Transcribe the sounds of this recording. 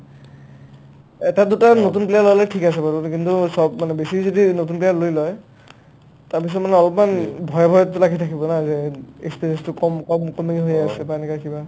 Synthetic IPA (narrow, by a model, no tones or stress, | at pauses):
ɛtadutanotunplialɔalɔtʰikas̬ɛbatɔtkintusɔbmanɛbesizodinotunplialojlɔj | taɹpis̬ɔtmanɛɔlɔpmanbʱɔjɔbʱɔjɔtːʊlaɡitʰakibɔnazɛḛkspiɹiɛnstʊkɔmkɔmkɔmiɦojasɛpanikakiba